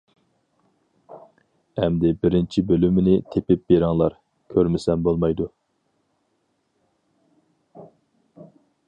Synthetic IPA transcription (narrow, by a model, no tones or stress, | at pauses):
ɛmd̪ɪbɪɾɪnt͡ʃʰibølymɪnɪt̪ʰepɪp̚beɾɑŋlˠɑɾ | kʲʰøɾmɪsɛnbolˠmɑjd̪u